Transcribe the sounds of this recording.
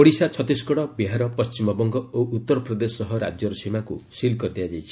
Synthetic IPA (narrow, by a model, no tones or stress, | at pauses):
oɽisat͡ʃʰɔt̪iskɔɽɔbiɦaɾɔpɔst͡ʃimɔbɔŋɡɔoʔut̪ːɔɾɔpɾɔd̪esɔɦɔɾa̰d͡ʒjɔɾɔsimakusilkɔt̪iad͡ʒajt͡ʃʰi̥